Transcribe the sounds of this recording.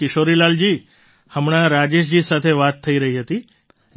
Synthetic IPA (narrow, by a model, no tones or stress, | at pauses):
kɪʃoɾilald͡ʒi | həmɳ̃aɾad͡ʒeʃ̬d͡ʒisat̪ʰeʋat̪ʰːəiɾəɦiɦət̪i